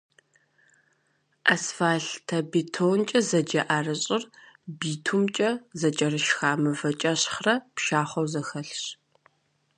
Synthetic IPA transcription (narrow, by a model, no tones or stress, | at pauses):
ʔasfaːɬtʰɐbetʰoːnt͡ʃʼɐzɐd͡ʒɐʔaːrɨɕʼɪrbiːtʰumt͡ʃʼɐzɐt͡ʃʼɐrɨʃxaːmɨvɐt͡ʃʼɐɕχrɐpʃaːχʷɐwzɐxɐɬɕ